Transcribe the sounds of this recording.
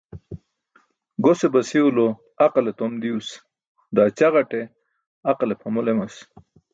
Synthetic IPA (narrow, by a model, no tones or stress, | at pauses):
ɡosebɐsiulo | ɐqalet̪omd̪ius | d̪aːt͡ɕaʁɐʈe | aqalepʰɐmolemas